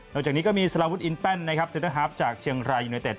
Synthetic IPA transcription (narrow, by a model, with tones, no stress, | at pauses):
nɔ˥˩k̚a˨˩k̚niː˦˥kɔː˥˩miː˧sa˧la˧wu˦˥t̪ʔi˧npɛ˥˩nːa˦˥kʰɾa˦˥p̚seː˧˩˦t̪a˥ŋɦaː˦˥p̚t͡ɕaː˨˩k̚t͡ɕʰi˧əŋɾaː˧juː˧na˧t̪e˨˩t̪̚